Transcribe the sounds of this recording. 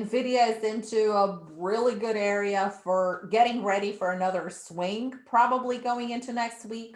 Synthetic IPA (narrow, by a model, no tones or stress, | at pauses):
nvɪɾioʊzɪ̃ntʰʉə | ɹɪlˠiɡʊɾɛɹiɨfə˞ɡɛɾɪ̃ŋɹɛɾifə˞ɨnʌðə˞swɪ̃ŋpʰɹ̥ɑbəbliɡoʊɪ̃ŋɪ̃ntʉnɛkst̚wik